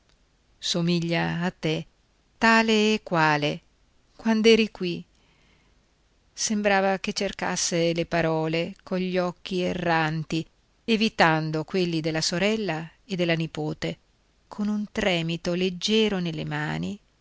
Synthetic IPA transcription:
somiʎːaːt̪ːe | t̪aːleːkːwaːle | kwand̪oɛːɾikwi | sembɾaːvaket͡ʃːerka̰sːelepaɾɔːlekoɲʎːɔk̟ːierːant̪i | evit̪and̪okwelːid̪elːasoɾɛlːaed̪ːelːanipoːt̪e | kʰonunt̪ɾɛːmit̪oled͡ʒːɛːɾonelːḛma̰ːni

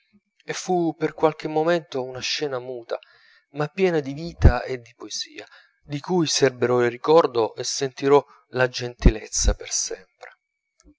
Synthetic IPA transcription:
efːupːerkwalk̟emːoment̪ounaʃːɛːnamuːt̪a̰ | mapːjɛːnad̪iviːt̪aed̪ːipoez̥ḭːa | d̪ikujserbeɾɔilrːikɔrd̪oʔesːent̪iɾɔ | lad͡ʒent̪ilet̪sːapersɛmpɾe

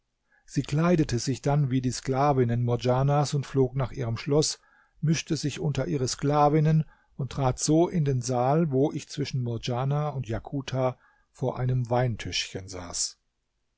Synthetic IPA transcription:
z̥iːkl̥aɪdətʰəzɪçd̥anviːdiːsklaːvɪnənmɔɐd͡ʒaːnasʊntfloːknaːχʔiːʁəmʃlɔs | mɪʃtəzɪçʔʊntɐʔiːʁəsklaːvɪnən | ʊntːʁ̥aːtz̥oːʔɪndeːnzaːlvoːʔɪçt͡sv̥ɪʃn̩mɔɐd͡ʒaːnaʊntjakʰuːtʰaː | foːɐʔa̰ɪnəmvaɪntʰʏʃçənza̰ːs

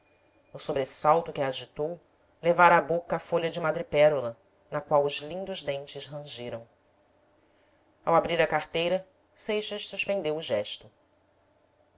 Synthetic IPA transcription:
nʊsobɾesawt̪ʊkɪaʒit̪ow | levaɾabokɐːfoʎɐd͡ʒɪmad̪ɾɪpɛɾulɐ | nɐkwawʊzlĩnd̪ʊʒd̪ẽnt͡ʃɪʃɦɐ̃ʒiɾɐ̃w̃ | awabɾiɾɐkaχt̪ejɾɐ | sejʃɐʃsuʃpẽnd̪ewʊʒɛʃt̪ʊ

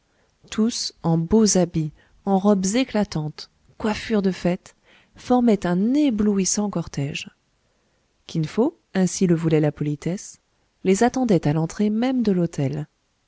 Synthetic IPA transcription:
t̪ʰusɑ̃bozabi | ɑ̃ʁɔbzeklat̪ɑ̃t̪ | kwafyʁd̪əfɛt̪ | fɔʁmɛt̪ɛ̃nebluisɑ̃kɔʁt̪ɛʒ | kʲinfo | ɛ̃siləvulɛlapɔlit̪ɛs | lezat̪ɑ̃d̪ɛt̪alɑ̃t̪χemɛmd̪əlot̪ʰɛl

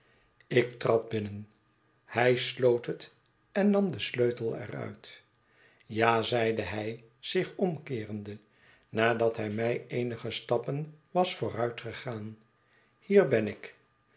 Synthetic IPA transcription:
ɪktrɑd̚bɪnən | hɛjslowtɦət | ɛnːɑmdəsløɥtəl̩ˠɛ̰rœ̰ɥt | jaːzɛjdəɦɛj | z̥ɪχɔmkɪːrəndə | naːdɑtɦɛjmɛjejnəχəstɑpənʋɑsfʊːrœɥtχəχaːn | hiːɹbɛnɪk

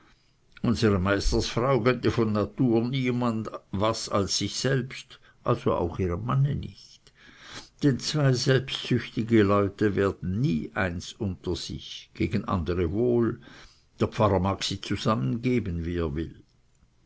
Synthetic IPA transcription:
ʔʊnzəʁəmaɪstɐsfʁaʊkʰœntəfɔnːatuːɐniːmandvasa̰lsːɪçsɛlpst | ʔalzoa̰ʊxiːʁəmmanənɪ̰çt | d̥ɛnt͡sv̥aɪzɛlpstsʏçtɪɡəlɔʏtəveːɐd̥n̩niːʔaɪnsʊntɐz̥ɪ̰çɡ̥eːɡən̩ʔa̰ndəʁəvoːl | d̥eːɐpp͡faʁɐmaːksiːt͡suzamənɡeːbənviːeːɐvɪl

